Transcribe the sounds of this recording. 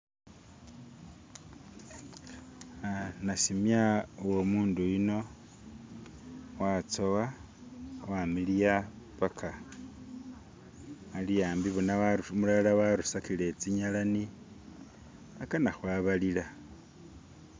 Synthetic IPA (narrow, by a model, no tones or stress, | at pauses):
anasimjawomuːndujino̞ | wat͡so̞wa | wamilija | βakʰa | alijaːmbiβunawamulalawaɾusakile̞t͡siɲalani | akanaxwaβalila